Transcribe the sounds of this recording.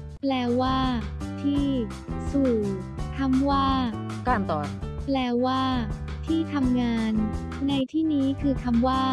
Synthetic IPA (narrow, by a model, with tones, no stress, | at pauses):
plɛː˧waː˥˩t̪ʰiː˥˩ | suː˨˩ | k̪ʰa˧˥˩mwaː˥˩ | kaː˥˩mt̪ɔː˨˩nplɛː˧waː˥˩ | t̪ʰiː˥˩t̪ʰa˧mŋaː˧nː | a˧jt̪ʰiː˥˩niː˦˥kʰɯː˧k̪ʰa˧mwaː˥˩